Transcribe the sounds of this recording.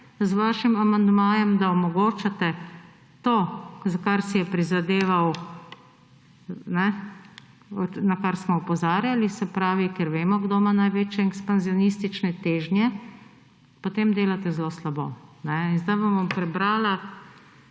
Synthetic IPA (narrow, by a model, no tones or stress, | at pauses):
zʋaːʃimamand̪maːjɛmd̪aɔmɔɡoːt͡ʃat̪ɛ | t̪oːzakaɾsijɛpɾizad̪eːʋaw | nɛ | ɔnakaɾsmɔɔpɔzaːɾjalisɛpɾaːʋikɛɾʋeːmɔɡd̪oːmanajʋeːt͡ʃjɛɛkspanziɔnist̪it͡ʃnɛt̪eːʒnjɛ | pot̪emd̪eːlat̪ɛzloslabo̰ːnɛinzd̪ajbombompɾɛbɾaːla